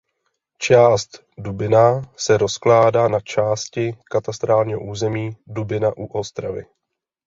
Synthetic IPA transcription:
t͡ʃaːst̪ | dubɪnasɛɾo̞sklaːdaːnat͡ʃaːscɪkat̪ast̪ɾaːlɲiːɦoʔuːzɛmiːdubɪnaʔuʔost̪ɾavɪ̰

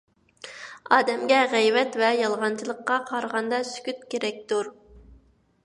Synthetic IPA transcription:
ɑːd̪ɛmɡʲɛʁɛjvɛt̪vɛjɑlˠʁɑnt͡ʃʰilˠəqːɑqʰɑɾʁɑnd̪ɑsy̥kʲyt̪kʲeɾɛk̚ʲt̪uɾ

